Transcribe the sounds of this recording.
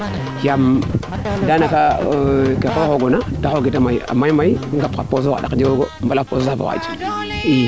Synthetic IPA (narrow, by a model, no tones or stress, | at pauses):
kam | danakakekoxoɡonadaxoɡitamaia̰mːamajiɡapka̰pos̬oa̰ɗa̰kd͡ʒiwoɡombalapososafa̰a̰d͡ʒi̥